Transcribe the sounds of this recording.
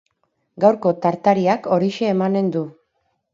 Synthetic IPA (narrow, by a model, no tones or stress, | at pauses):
ɡawɾko̞t̪aɾt̪aɾiako̞ɾiʃe̞ːmane̞nd̪u